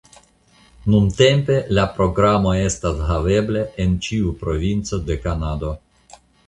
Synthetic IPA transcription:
nunte̞mpe̞lapɾo̞ɡɾamo̞e̞stashave̞bleʔent͡ʃiupɾo̞vint͡so̞de̞kanado̞

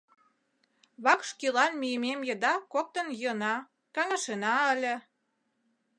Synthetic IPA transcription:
βɑkʃkilɑnmyjəmemjə̆d̪ɑkok̚t̪ənjnɑ | kɑŋə̆ʃenɑəlʲə̆

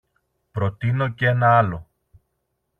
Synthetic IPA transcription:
pɾo̞t̪ino̞cee̞nɐɐlo̞

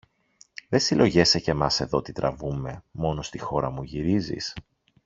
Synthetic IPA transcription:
ðesilʔo̞ʝe̞sece̞mɐse̞ðo̞t̪it̪ɾʔɐvume̞mo̞no̞st̪ixo̞ɾɐmuʝiɾizḭs

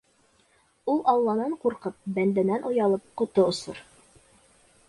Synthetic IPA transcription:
ulˠʔɑlˠːɑnɑɴquɾqɤp̚bænd̪ænænʔŏjɑlˠɤp̚qŏt̪oŏsɤ̰ɾ

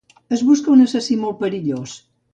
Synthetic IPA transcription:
əzβuskɐunɐsɐsimolpəɾiʎos

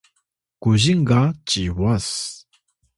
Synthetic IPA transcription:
kuʑiŋɡat͡ɕiwas

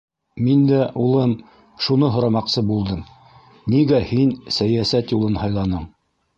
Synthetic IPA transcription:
mind̪æʔulˠɤm | ʃunɤɦŏɾɑmɑqsɤbulˠd̪ɤm | niɡæhinsæjæsæt̪julˠɤnhɑjlˠɑnɤɴ

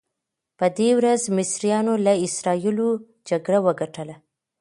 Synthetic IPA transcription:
pəd̪ewɾazmɪsɾijɑnolaɪsɾɑjilo | d͡ʒaɡɽawəɡaʈəla

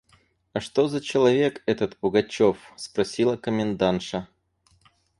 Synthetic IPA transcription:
ɐʂt̪o̞zət͡ɕɪlˠɐvʲe̞kɛt̪ət̪pʊɡɐt͡ɕofspɾɐsʲilˠəkəmʲɪnd̪anʂə

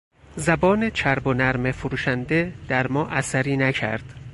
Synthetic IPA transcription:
zæbɒːnet͡ʃʰæɾbo̞næɾmefoɾuːʃænd̪e̞d̪̥æɾmɒːʔæsæɾiːnæcʰæ̰ɾd̪̥

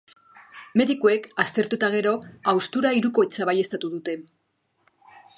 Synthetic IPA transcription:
me̞ðikue̞kast̪e̞ɾt̪ut̪aɣ̞e̞ɾo̞awst̪uɾaiɾuko̞it͡saβaje̞st̪at̪uð̞ut̪e̞

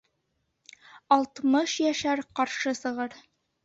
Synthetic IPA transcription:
ɑlˠt̪mɤʃjæʃæɾqɑɾʃɤsɤ̆ʁɤɾ

